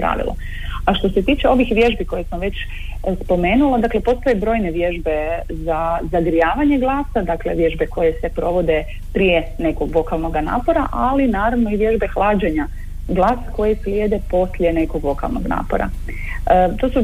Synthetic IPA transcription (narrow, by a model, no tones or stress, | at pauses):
pɾa̰ʋḭlˠo̰ | aʃt̪o̞se̞t̪iːt͡ʃe̞o̞ʋixʋje̞ʒbiko̞jesmoʋe̞t͡ɕ | spo̞me̞ːnulˠod̪akle̞po̞st̪ojebɾo̞ːjneʋje̞ʒbe̞ | zazaɡɾijaːʋaɲe̞ɡlˠaːsad̪akle̞ʋje̞ʒbe̞ko̞je̞se̞pɾo̞ʋo̞d̪e̞ | pɾijene̞ko̞ɡʋo̞kalˠno̞ɡana̰ːpo̞ɾaʔalinaːɾaʋno̞iʋje̞ʒbe̞xlˠaːd͡ʑeɲa | ɡlˠaːsako̞jeslʲjed̪e̞po̞slʲje̞ne̞ko̞ɡʋo̞ka̰lˠno̞ɡna̰ːpo̞̰ɾa̰ | ət̪o̞ːsu